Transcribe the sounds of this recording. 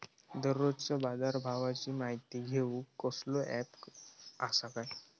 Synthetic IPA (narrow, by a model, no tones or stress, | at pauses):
d̪əɾːod͡zt͡səbad͡z̪aɾbʱaʋat͡ɕiːmaɦit̪iːɡʱeũkəsloʔæp | asakaj